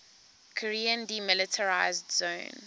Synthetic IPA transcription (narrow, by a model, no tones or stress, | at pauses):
kʰɔɹiə̃ndimɪlɪtʰəɹaɪzdzõn